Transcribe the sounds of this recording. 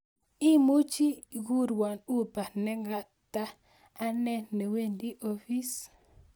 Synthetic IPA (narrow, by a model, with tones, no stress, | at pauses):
i˦mu˦t͡ʃi˦ɡu˦ɾwa˨nu˦pa˨nɛ˦ŋɡa˦ | taː˦ | nɛ˦nɛ˨we˦˨ndi˦ʔo˦fi˦s